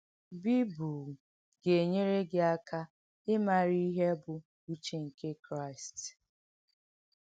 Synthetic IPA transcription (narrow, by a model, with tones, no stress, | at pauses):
bi˦bu˨ | ɡe˨ɲe˦ɾe˦ɡɪ˦a˦kʰa˦ | ɪ˦ma˨ɾi˦i˦ɦe˦bʊ˨ | u˦t͡ʃe˨ŋ̩˨ke˦kɾa˦˨ɪ˨st